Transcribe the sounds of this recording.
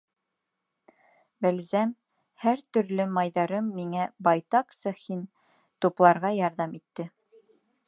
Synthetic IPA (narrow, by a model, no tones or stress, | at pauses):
bælzæm | hæɾt̪ɵ̆ɾlɵmɑjðɑɾɤmːiŋæbɑjt̪ɑqsɤhin | t̪uplˠɑɾʁɑjɑɾðɑmit̪ːɘ